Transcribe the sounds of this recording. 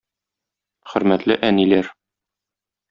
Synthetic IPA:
χɵ̆ɾmæt̪lɘʔænilæɾ

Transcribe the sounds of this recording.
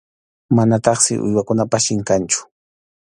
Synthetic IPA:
manat̪ɑχsɪ̰ʔʊ̰jwakʊnapaʃɪŋkant͡ʃʊ̥

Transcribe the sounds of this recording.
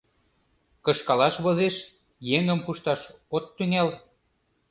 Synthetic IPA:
kɤ̆ʃkɑlɑʃβozeʃ | jeŋəmpuʃt̪ɑʃot̪ːyŋæl

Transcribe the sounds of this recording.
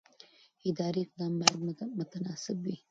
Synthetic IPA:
ɪd̪ɑːɾiq̚d̪ɑːmbaɾd̪mʊt̪anɑːsɪbwi

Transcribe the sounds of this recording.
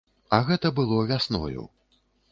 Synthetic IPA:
ɐɣɛt̪ɐbɨlˠɔvʲasnɔ̰jṵ

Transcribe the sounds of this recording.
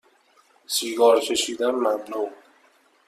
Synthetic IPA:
siːɡɒːɾcʰeʃiːd̪ænmæbnoː

